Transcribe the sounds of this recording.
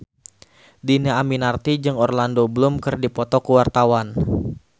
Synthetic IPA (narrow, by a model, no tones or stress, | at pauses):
dinaaminart̪id͡ʒɨŋɔrlandobəlʊmkɨrdipɔt̪ɔkəwart̪awan